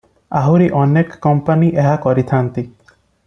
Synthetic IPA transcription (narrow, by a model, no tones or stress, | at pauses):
aɦuɾiʔɔnekːɔmpaniʔeɦakɔɾit̪ʰant̪i